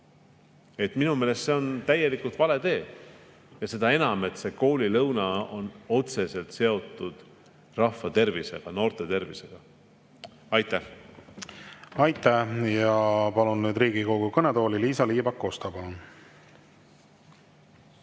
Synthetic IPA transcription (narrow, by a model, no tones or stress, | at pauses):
e̞t̪minume̞ːle̞st̪se̞o̞nt̪æjːe̞likult̪vɑle̞d̪e̞ː | jɑse̞d̪̥ɑe̞nɑme̞t̪se̞ko̞ːlʲilɤwnɑo̞no̞t̪se̞se̞lt̪se̞o̞t̪ˑːud̪̥ | rɑhfːɑt̪e̞rvise̞̰ɡ̥ɑno̞ːrt̪ˑe̞t̪e̞rvḭse̞ɡ̥ɑ | ɑjt̪ːˑæh | ɑjt̪ˑæhjɑpɑlunːyːd̪ɾiːɡikoɡ̥ukɤned̪o̞ːliliːsɑliːbɑkːost̪ɑpɑlun